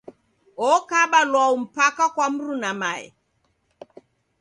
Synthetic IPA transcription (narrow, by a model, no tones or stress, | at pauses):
ɔkaɓalwaum̩pakakwam̩ɾunamaɛ̰